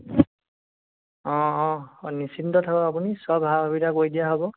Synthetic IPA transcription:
ɔ̃ːnisintɔtʰakɔapunisɔbʱabʱabidʱakojdijaɦɔbɔ

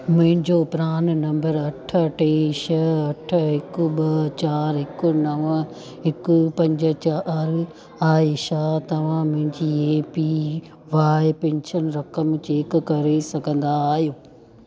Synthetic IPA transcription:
mʊ̃ɦɪ̃ɲd͡ʑopɪɾaːn̆nɐ̃mbəɾɐʈʰəʈeːʃɐɐʈʰəɦɪkʊɓɐt͡ɕaːɾɦɪkʊ̆nɐʋə | ɪkʊpɐ̃ɲd͡ʑə̆t͡ɕaɾ | aːeʃaːt̪ɐʋ̤ãmʊ̃ɦɪ̃ɲd͡ʑiːeːpi | ʋaːɪpẽɲt͡ɕʰən̆ɾɐkəmt͡ɕekʊ̆kɐɾesɐɡʱə̃nd̪aːɦijoː

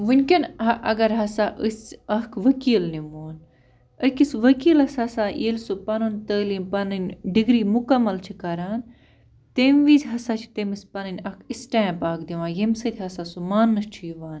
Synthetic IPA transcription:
ʋunʲkʲɐnɐʔɐ̰ɡɐɾɦɐsaːʔɨsɐɦkʰʋɐkiːlnimoːn | ɐkisʋɐkiːlɦɐsɐsaːʔeːlsopɐnɨnt̪əːlinpɐnɨnʲɖiɡɾiːmukɐmɐlt͡ʃʰikɐɾaːn | t̪emʋiːzʲɦɐsat͡ʃʰi̥t̪emispɐnɨnʲɐkʰisʈãːmpaːkʰd̪iʋãːnjemsɐt̪ʰʲɦɐsaːsumaːnːɐst͡ʃʰijiʋaːn

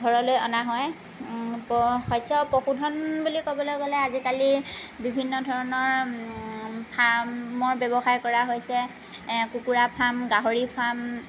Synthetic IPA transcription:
ɡʱɔɹɔlojɔnaɦɔj | pɔxɔjsɔpɔxudʱɔnbulikɔbɔlojɡɔlɛazikalibibʱinːɔdʱɔɹɔnɔɹ | pʰaɹmɔɹbɛbɔxajkɔɹaɦojsɛ | kukuɹapʰamɡaɦoɹipʰam

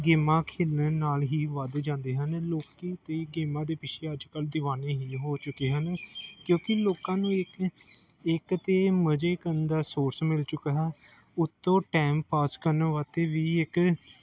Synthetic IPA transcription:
ɡeːmãːkʰeːlnənaːlɦiːʋəd̪d͡ʒãːnd̪eːɦənloːkiːt̪eːɡeːmãːd̪eːpɪt͡ʃʰeːəd͡ʒkəld̪ɪʋaːneːɦiːɦoːt͡ʃʊkːeːɦənkjõːkɪloːkãːnũːɪk | ɪkt̪eːməd͡ʒeːkəɾənd̪aːsoːɾsmɪlt͡ʃʊkaːɛː | ʊt̪ːõːʈɛːmpaːskəɾnəʋaːt̪eːʋiːɪk

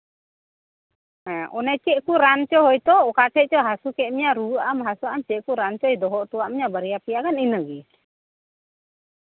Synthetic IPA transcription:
ɛ̃ʔɔnɛt͡ʃɛʔkuɾant͡ʃɔɦɔjt̪ɔʔɔkakɛʔt͡ʃɔɦasukɛʔmiɲaɾuamɦasuamt͡ʃɛʔkuɾant͡ʃɔjd̪ɔɦɔʔt̪uwaʔmiɲabaɾijapijakaninəɡi

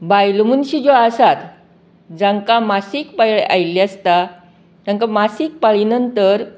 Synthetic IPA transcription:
bajlmunɕid͡zoasat̪ | d͡zãŋkamasiːkpajɭeʔajliast̪a | d͡zãŋkamasiːk̚paɭinənt̪əɾ

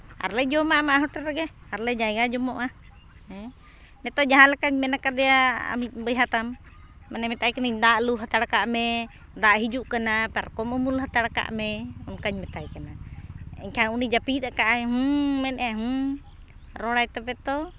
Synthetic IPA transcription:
a̰ɾlɛd͡ʒɔmaʔmaʔɦɔʈɛɾɛɡɛaɾlɛd͡ʒajɡad͡ʒɔmɔʔa | ɛ | nɛt̪ɔd͡ʒaɦãlɛkaɲmɛnakad̪ɛjaa̰mit̪̚bəjɦat̪amː | ɛnɛmɛt̪ajkanaiɲd̪aʔluɦat̪aɽakaʔmɛ | d̪aʔɦid͡ʒuʔkanapɛɾkɔmɔmulɦat̪aɽaka̰ʔmɛɔnkaɲmɛt̪ajkanaɛ̰ɲkʰanunid͡ʒapit̪akaʔɛɦumɛnʔɛɦu | ɾɔɽajt̪apɛt̪ɔ

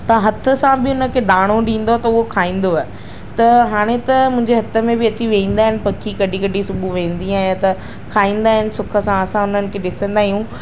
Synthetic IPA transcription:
t̪ɐɦɐt̪ʰə̆sãbɪʊnəkʰeːɗaːɽ̃oɗĩːn̆d̪oɛt̪ɐʊɦokʰaːĩːn̆d̪oaːe | t̪ɐɦaːɽ̃et̪ɐmʊ̃ɦɪ̃ɲd͡ʑeɦɐt̪ʰə̆mẽbɪɐt͡ɕiʋẽĩːn̆d̪aːɦɪnɪ̆pɐkʰikɐɗikɐɗisʊbʱuʋẽːn̆d̪iaːɦjat̪ɐ | kʰaːĩːn̆d̪aːɦɪnɪ̆sʊkʰə̆sãɐsãʊn̤ənɪ̆kʰeːɗɪsə̃nd̪aːɦijũ

